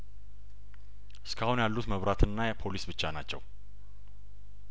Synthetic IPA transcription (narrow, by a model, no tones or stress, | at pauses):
ʔɨskʰahunjalːut̪məβɾat̪ʰɨnːajɛpʰo̞lisbɨt͡ʃːanat͡ʃːɛ̰w